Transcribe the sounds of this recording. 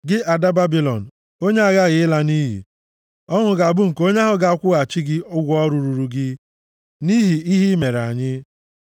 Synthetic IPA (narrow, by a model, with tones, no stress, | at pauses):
ɡɪ˦ʔa˨da˦ba˦bi˨lɔ̰˨n̩˨ | o˦ɲe˦a˨ɣa˦˨ɣɪ˨ɪ˦la˦ni˦ɦḭ˨ | ɔ˦ŋʊ˨ɡa˨a˨bʊ˦ŋ̩˨ko˦ɲe˦ɦʊ˦ɡa˨a˨˦kʷʊ˦ɣa˨t͡ʃi˦ɡɪ˦ʊ˦ɡʷɔ˦ɾu˨ɾu˨ɾu˨ɡɪ˦ | ni˦ɦi˨i˦ɦi˦me˨ɾa̰˨ɲɪ˦